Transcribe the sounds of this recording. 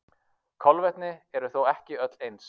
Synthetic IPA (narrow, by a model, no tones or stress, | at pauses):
kʰɔlvɛt̪nɪɛɾʏθowɛhcɪœt̪lejns